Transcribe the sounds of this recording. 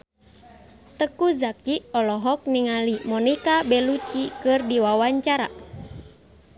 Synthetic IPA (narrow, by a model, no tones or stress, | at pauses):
t̪əkuzakiɔlɔɦɔk̚niŋalimɔnikabɛlut͡ʃikɨrdiwawaɲt͡ʃaɾa̰